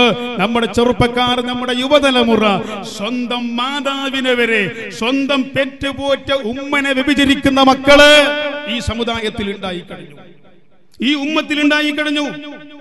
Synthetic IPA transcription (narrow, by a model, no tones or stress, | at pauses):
nɐmːuɽe̞t͡ɕerupːɐkːaːrnɐmːuɽe̞juʋɐðɐlɐmurɐswɐnd̪ɐmːaːd̪aːʋinɨʋɐɾe̞ | swɐnd̪ɐmpetːɨbo̞ːtːɐʔumːɐneʋibid͡ʑɐɾikʲːunːɐmɐkːɐɭiːsɐmud̪aːjɐt̪ːiluɳɖaːjikːɐɽiɲːu | iːumːɐt̪ːiluɳɖaːjikːɐɽiɲːu